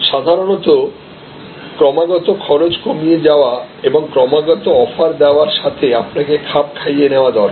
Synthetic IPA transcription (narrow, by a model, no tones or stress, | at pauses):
ʃad̪ʱaɾonɔt̪o | kɾɔmaɡɔt̪okʰɔɾod͡ʑkomied͡ʑaoa | eboŋkɾɔmaɡɔt̪oɔfaɾd̪ɛoaɾʃat̪ʰeapnakekʰap̚kʰajeneoad̪ɔl